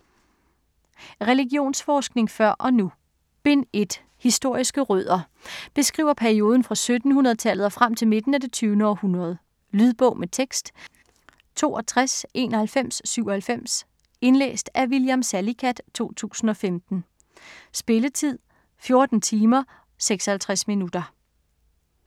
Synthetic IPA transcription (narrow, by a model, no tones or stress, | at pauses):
ʁɛliɡ̥jo̝̰ːnsfɒːsɡ̥ne̝ŋfɶɐ̰ʔɒ̽nu | b̥e̝ne̝d̥ | hisd̥o̝ɐ̰isɡ̥əʁœð̰ˠɐ | b̥e̝sɡ̥ʁḭːʊɐpʰæɐio̝ːð̞ˠn̩fʁɑ̈sød̥n̩hunɐðˠt͡sʰælð̩ˠɐfʁam̰t͡sʰe̝lme̝d̥n̩æd̥e̝t͡sʰyːʊnəɒ̽hunɐð̞̩ˠ | lyðˠb̥ɔ̽ʊ̰met͡sʰeɡ̥sd̥ | t͡sʰo̝̰ːɒt͡sʰʁasʔe̝ːnɒhælfem̰sːyʊ̰ɒ̽hælfem̰s | e̝nlḛːsd̥æʋiljæmsælikʰæd̥t͡sʰo̝̰ːt͡sʰṵːsn̩ɒ̽femd̥n̩ | sb̥e̝lət͡sʰið̞̰ˠ | fjo̝ɐd̥n̩t͡sʰiːmɐ | seɡ̥sɒhælt͡sʰʁasminud̥ɐ